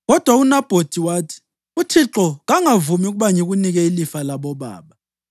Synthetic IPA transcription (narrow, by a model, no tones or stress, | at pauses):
ɣɔd̥ʱwaunab̥ʱod̥ʱiwaːtʰi̥ | utʰiǁɔɣaŋavumiuɣuɓaŋiɣuniɣɛilifalaɓɔɓa̰ːɓa